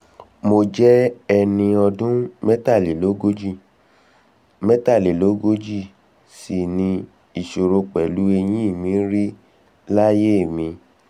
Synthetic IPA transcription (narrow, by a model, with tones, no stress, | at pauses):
mo˧d͡ʒɛ˦ɛ˧nĩ˧ɔ˧dũ˦mɛ˦ta˦˨li˨lo˨˦ɡo˦d͡ʒi˦˨ | mɛ˦ta˦˨li˨lo˨˦ɡo˦d͡ʒi˦˨ | si˨nĩ˧ | i˨ʃo˨ɾo˧k͡pɛ˨lu˨˦e˧j̃ĩ˦i˦˨mĩ˨˦ɾi˦ | la˦je˦˨mĩ˧